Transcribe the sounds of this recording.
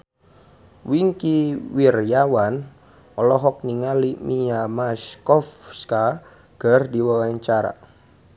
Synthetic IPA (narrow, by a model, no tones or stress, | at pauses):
wiŋkiwirjawan | ɔlɔɦɔk̚niŋalimijamaskɔfska | ɡ̥ardiwawaɲt͡ʃaɾa̰